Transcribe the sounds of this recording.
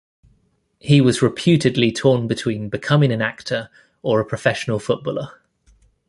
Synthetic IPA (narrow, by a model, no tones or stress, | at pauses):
hiwɒzɹɪpʰj̥ʉˑtɪdˡlitʰɔːnbɪtʰw̥ĩːnbɪkʰʌmɪ̃ŋə̃nak̚tʰəɹ | əɹəpʰɹ̥əfɛʃənəlˠfʊʔ̚b̥ɔːlə